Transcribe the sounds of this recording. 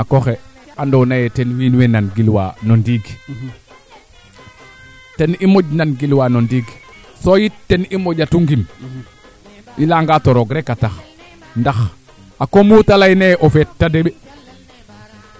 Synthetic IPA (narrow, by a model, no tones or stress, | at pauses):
akoxeandonajɛtenwinwenanɡilwa̰nondiɡ | tenimoɟnanɡilwanondiːɡ | sojitːenimoɟatuŋɡim | ilaŋɡatoɾoɡɾekatax | ndax | akomuːtalajneʔofetːadeɓe